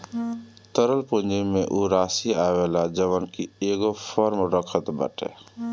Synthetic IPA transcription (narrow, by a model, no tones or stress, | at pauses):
t̪əɾəlpuɲd͡ʒiːẽʔuːɾaːsiaːʋeːlad͡ʒəʋənkieːɡopʰɔɾmɾəkʰət̪bə̰ʈḛː